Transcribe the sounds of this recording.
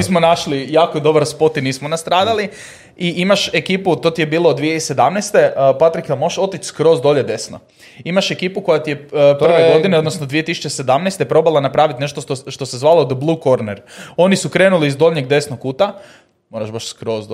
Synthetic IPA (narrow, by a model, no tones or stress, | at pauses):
ismonaʃlijaːkoid̪o̞baɾspo̞t̪iniːsmonast̪ɾaːd̪ali | iʔimaʃe̞kiːput̪o̞t̪ijebiːloːd̪ʋijeise̞d̪amnejst̪e̞pat̪ɾikamoʃo̞t̪it͡ʃskɾo̞ːzd̪o̞ʎed̪e̞sno̰ | imaʃe̞kiːpuko̞jat̪ijeprʋeɡo̞d̪ineo̞d̪nosnod̪ʋije̞t̪isu̥t͡ʃese̞d̪amnejst̪epɾo̞balˠanapɾaːʋit̪ne̞ʃt̪ot̪oʃt̪o̞sezʋaːlod̪əblˠuːko̞ɾneɾo̞nisukɾeːnuliizd̪o̞ʎʲɲeɡ̚d̪e̞snokːuːt̪a | mo̞ːɾaʃbaʃskɾo̞z